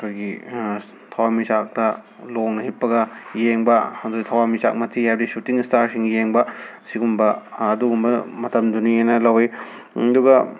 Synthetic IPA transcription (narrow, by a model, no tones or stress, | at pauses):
ɐkʰojɡi | tʰɐwamit͡ʃak̚tɐ | loŋnɐhipːɐɡɐjeŋbɐɐduɡitʰɐwamit͡ʃa̰k̚mɐtʰihadisutiŋstaɾsiŋjeŋbɐsiɡumbɐːduɡumbɐmɐtɐmdunienɐlɐweɐduɡɐ